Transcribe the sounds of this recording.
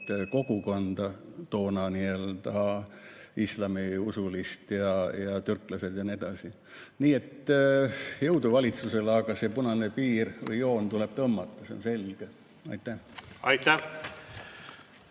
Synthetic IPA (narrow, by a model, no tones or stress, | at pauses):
ko̞ɡuko̞nd̪̥ɑt̪o̞ːnɑniøld̪ɑ | islɑmiusulist̪jɑjɑt̪yrkˑlɑse̞d̪̥jɑnie̞d̪ɑsi | niːe̞t̪ː | jɤ̞wd̪uvɑlʲit̪suse̞lɑɡɑsepunɑnepiːrvɤ̰jo̞ːnt̪ule̞b̥̚t̪ɤmːɑt̪ːˑɑse̞o̰nse̞lɡ̥e | ɑ̰jt̪ːæhɑjt̪ːæ